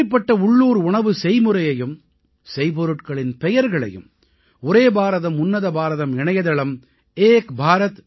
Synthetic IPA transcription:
ɐɪpːɐʈːɐʊɭːuːɾʊɳɐʋɯsɛjmɯɾɐjɐjɯm | sɛjpɔɾɯʈkɐɭɪnpɛjɐɾɣɐɭɐ̰jɯ̰m | ɔɾeːbaːɾɐðɐmʊnːɐðɐbaːɾɐðɐmɪɳɐjɐðɐɭɐm | eːkbʱaːɾɐt̪

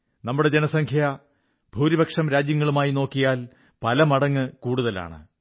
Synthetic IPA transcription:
nɐmːuɽe̞d͡ʑenɐsɐŋkʰjɐ | bʱuːɾibɐkʂɐmɾaːd͡ʑjɐŋːɐɭumaːjino̞ːkːijaːl | pɐlɐmɐɽɐŋːɨkuːɽuðɐla̰ːɳɨ̰

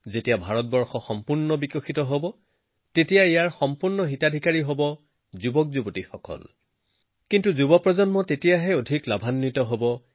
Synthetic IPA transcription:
zetijabʱaɹɔt̚bɔɹxɔxɔmpuɹnɔbikɔxitɔɦobɔ | tetijaijaɹxɔmpuɹnɔɦitadʱikaɹiɦobɔ | zubɔk̚zubɔtixɔkɔ̰l | kintuzubɔpɹɔzɔnmɔtetijaɦɛodʱiklabʱanːitɔɦobɔ

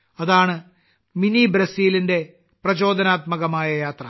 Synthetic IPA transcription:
ɐðaːɳɨ | minibɾɐsiːlinde̞ | prɐt͡ɕo̞ːd̪ʱɐnaːt̪mɐɣɐmaːjɐjaːt̪rɐ

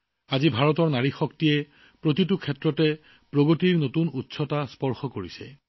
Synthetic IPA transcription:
azibʱaɹɔtɔɹnaɹixɔktijɛ | pɹot̬itukʰɛtɹɔtɛ | pɹoɡotiɹnotunutːsɔtaspɔɹxɔkoɹisɛ̰

